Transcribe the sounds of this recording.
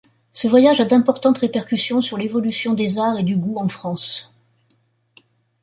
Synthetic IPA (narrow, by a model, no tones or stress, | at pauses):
səvwajaʒad̪ɛ̃pɔʁt̪ɑ̃t̪ʁepɛʁkʲysjɔ̃syʁlevɔlysjɔ̃d̪ezaʁed̪yɡuɑ̃fχɑ̃s